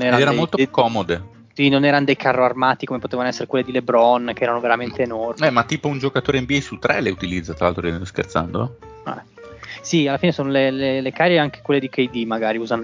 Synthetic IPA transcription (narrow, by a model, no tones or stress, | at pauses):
nɛːɾaɛːɾamolt̪okɔːmod̪e | sinonɛːɾanod̪ejkʰarːoarmaːt̪ikomepot̪eːvanoɛsːeɾekwelːed̪ilebɾɔnk̟eɛːɾanoveɾament̪eːnɔrɛmat̪ːiːpound͡ʒokat̪oːɾeɛmbiɛjsut̪ːɾʔɛleut̪ilid̪zːat̪ɾalalt̪ɾoɛnɛnoskḛrt̪sa̰nd̪o̰ | ɛ̰ | sialːafiːnesoːnolelelekaɾeaŋk̟e̥kwelːed̪ikejd̪imaɡaːɾiuːzan